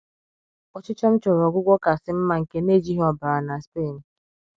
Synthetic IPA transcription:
ɔ˦t͡ʃɪ˦t͡ʃɔ˦m̩˦t͡ʃɔ˨ɾɔ˨ɡʷʊ˦ɡʷɔ˦ka˨sɪ˦m̩˦ma˦ŋ̩˨ke˦ne˦˨d͡ʒi˦ɦɔ˦ba˨a˨na˨spe˦˨n̩˨

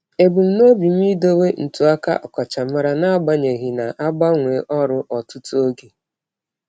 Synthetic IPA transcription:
e˨bu˨m̩˦no˦bi˨m˦i˦do˦we˦n̩˨tu˨a˦ka̰˦ʔɔ˨kɔ˨t͡ʃa˨m̩˦a˦ɾa˨na˦ɡ͡ba˦ɲe˨ɣi˨na˨ʔa˦ɡ͡ba˦ŋʷe˨˦ʔɔ˦ɾʊ˦ʔɔ˨tʊ˦tu˦o˦ɡe˨

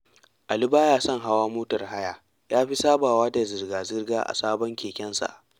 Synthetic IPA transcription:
ʔa˨li˦baː˦jaː˦sɔ˦˨ŋɦa˦waː˦moː˦tɐ˨rɦa˦jaː˨ | jaː˦ɸi˦saː˦baː˨waː˦da˨zɪ˨rɡaː˨zɪ˦rɡaː˦ʔa̰˨saː˦bɔ˦ŋkʲeː˨kʲɛ˦nsa̰˨ʔ

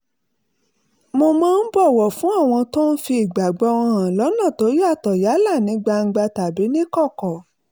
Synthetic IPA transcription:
mo˧mãː˦n̩˦bɔ˦˨wɔ˨fũ˨˦a˦˨w̃ɔ̃˧to˦n̩˦fi˧i˨ɡ͡ba˨ɡ͡bɔ˧˦wɔ̃˧ã˨lɔ˨˦nã˦˨to˨˦ɾi˦a˦˨tɔ˨ja˨˦la˦˨nĩ˨˧˦ɡ͡ba˧ŋ̩˧ɡ͡ba˧ta˨bi˨˦nĩ˦kɔ˦˨kɔ˨

